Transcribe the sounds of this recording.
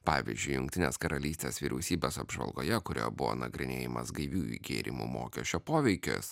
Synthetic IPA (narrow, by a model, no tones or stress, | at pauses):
pɑːʋʲɪ̰zʲd͡ʒʲʊɪjʊŋk̚t̪ʲɪnʲḛːskɐɾɐlʲiːsʲt̪ʲeːsʋʲiːɾʲʔɛʊsʲiːbʲeːsɐbʒʋɐ̰lˠɡo̰ːjɛkʊɾʲo̰ːjbʊʋo̰ːnɐɡɾʲɪnʲḛːjɪmɐsɡɐɪʋʲuːḭɡʲeːɾʲɪmṵːmo̰ːkʲɛʃʲt͡ʃʲoːpoːʋʲɛɪkʲʊ̰s